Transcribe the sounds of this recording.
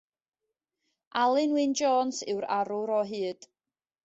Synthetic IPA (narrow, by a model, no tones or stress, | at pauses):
ʔalˠɨnwɨnd͡ʒɔːnsɪwɾaɾʊɾɔɦɨːd̥